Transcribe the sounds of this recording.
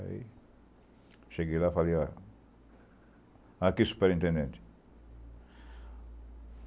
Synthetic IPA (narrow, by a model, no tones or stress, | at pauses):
ḭ | ʃeɡilafalia | akisu̥peɾint̪ẽnd̪ẽnt̪i̥